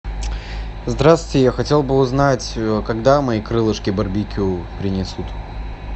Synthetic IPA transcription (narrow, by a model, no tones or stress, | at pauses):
zd̪ɾaswɪtʲɪjaxɐtʲe̞lˠbɨʊznatʲəkɐɡd̪amɐikɾɨlˠɨʂkʲɪbɐrbʲikʲʊpɾʲɪnʲɪsut̪